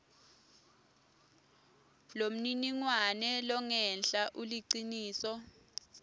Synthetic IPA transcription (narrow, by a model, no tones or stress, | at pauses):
lom̩niniŋwanɛlɔŋɛnɬʼaʔuliǀiniːsɔ